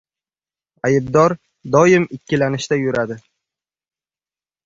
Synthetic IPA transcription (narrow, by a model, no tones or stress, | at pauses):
ajɪbd̪ɒɾ | d̪ɒjɪmɪkʲʰːɪlanɪʃt̪ajʊɾad̪ɪ